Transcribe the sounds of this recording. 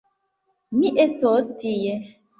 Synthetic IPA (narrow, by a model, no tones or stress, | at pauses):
miʔestostije